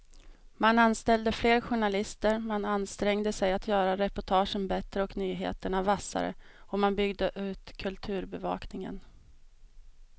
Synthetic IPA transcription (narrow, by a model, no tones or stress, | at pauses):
mananst̪ɛld̪əfleːɾɧʊɳalɪst̪əɾmananst̪ɾɛŋd̪əsɛjat̪ʰjœːɾaɾɛpɔʈʰɑːʂənbɛt̪ɾəɔknyːɦḛːt̪əɳavasa̰ɾə̰ɔmanbʏɡd̪əʔʉ̟ːt̪kʰɵlt̪ʰʉ̟ːɾbɛvɑ̰ːknɪŋə̰n